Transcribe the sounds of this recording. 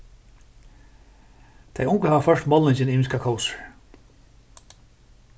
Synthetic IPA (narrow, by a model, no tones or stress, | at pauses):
t̪ʰejʊŋkʊhavafœʂtmɔlɪɲt͡ʃɪniːmɪskakʰɔwsə̥ɹ